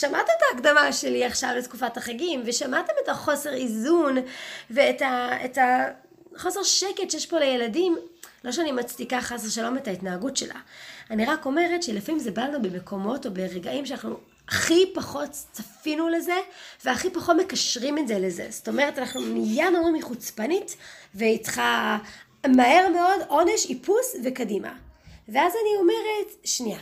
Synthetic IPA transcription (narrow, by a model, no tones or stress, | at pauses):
ʃamatemetaːkdamaʃeliaχʃavletkufathaχaɡimveʃamatemetaχo̞seʁizunveːtaeta | χo̞se̞ʁʃeketʃejeʃpo̞leje̞ladimlo̞ʃ̬eanimat͡stikaχasʃalo̞metaitnaːɡutʃe̞̰lʔa̰aniʁako̞me̞ʁetʃelefamimzebalanubemekʰo̞mo̞to̞be̞ʁeɡaʔimʃeanaχnu | aχipaχo̞tt͡safinule̞ze̞veaχipaχo̞tme̞kaʃʁimetzelezḛzoto̞me̞ʁetanaχnumijanomʁimiχut͡spanitveit͡sχa | mahe̞ʁmeo̞do̞ne̞ʃipusvekadima̰veazanio̞me̞ʁetʃnia